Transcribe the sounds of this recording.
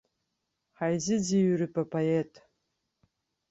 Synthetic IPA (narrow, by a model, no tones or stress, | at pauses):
ħajzɨd͡ziɥrɨpʰʼapʰoetʼ